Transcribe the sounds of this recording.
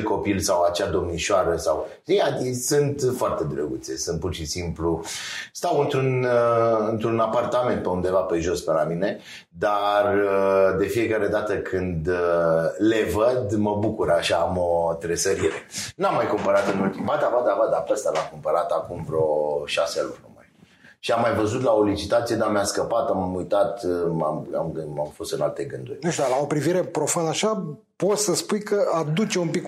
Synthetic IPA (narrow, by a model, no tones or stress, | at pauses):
ko̞pilsawat͡ʃad̪o̞mniʃaɾəsaw | iad̪isɨnt̪foart̪e̞d̪ɾəɡut̪se̞̰sɨnt̪̚purʃisimplust̪awɨnt̪ɾunɨnt̪ɾunapart̪ame̞nt̪̚peund̪e̞vape̞ʒo̞spelamine̞ | d̪ard̪e̞fie̞kaɾe̞d̪at̪əkʰɨnd̪ | le̞vəd̪məbukuɾaʃaːmot̪ɾesəɾiɾenamːajkumpəɾat̪ɨnult̪imvad̪avad̪avad̪apəst̪alakumpəɾat̪akumvɾeoʃaselṵnuma̰j | ʃiamːajvəzut̪lao̞lit͡ʃit̪at̪sije̞d̪ameaskəpat̪amamujt̪at̪mama̰mɡɨamfo̞st̪ɨnalt̪e̞ɡɨnd̪urʲnuʃt̪ud̪alao̞pɾiviɾe̞pɾo̞fand̪aʃa | po̞t̪səspujkʰəad̪ut͡ʃeumpik